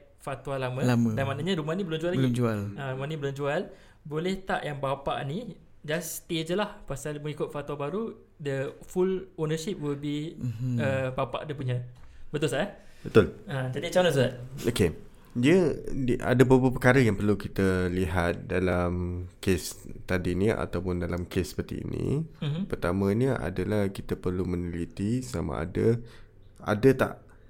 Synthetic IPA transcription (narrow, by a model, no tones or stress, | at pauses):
fat̪uwalamə̃lamədanmanəɲaɾumanĩbəlʊmd͡ʒualablmd͡ʒualaɾumanĩbəlʊmd͡ʒual | bolɛht̪aʔjaŋbapa̰ʔni | d͡ʒast̪iəd͡ʒəlahpasalməŋikʊt̪̚fat̪uabaɾu | dəfulonəʃip̚wilbiəbapa̰ʔdipuɲə̃bət̪ʊlsaʔabət̪ʊlad͡ʒadit͡ʃanas̬udat̪̚oke | diədiʔa̰dəbəbəpəkaɾəjaŋpərlukit̪əliɦat̪̚dalamkest̪adinia̰t̪awpʊndalamkesə̥pərt̪ḭḭnḭ̃pərt̪amə̃ɲəʔa̰dalahkit̪əpərlumənəlit̪isa̰ma̰ʔa̰də | a̰dət̪a̰ʔ